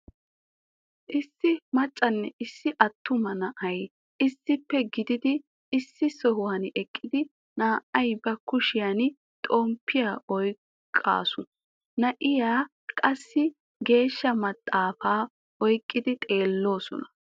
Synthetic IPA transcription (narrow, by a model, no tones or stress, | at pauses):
ʔɪsːɪmɐt͡ʃʼːɐnːɛʔɪsːɪʔɐt̪ːʊmɐnɐʔɐj | ʔɪsːɪpːɛɡɪd̪ɪd̪ɪ | ɪsːɪsɔɦʊwɐnʔɛkʼːɪd̪ɪ | naːʔɐjbɐkːʊʃɪjan | t̪ʼoːmpːɪjaːʔɔj | kʼːa̰ːsʊ | nɐʔɪjaː | kʼɐsːɪ | ɡe̞ːʃːɐmɐt̪ʼːaːfaː | ʔɔjkʼːɪd̪ɪt̪ʼe̞ːlːo̞ːsɔ̰nɐ̥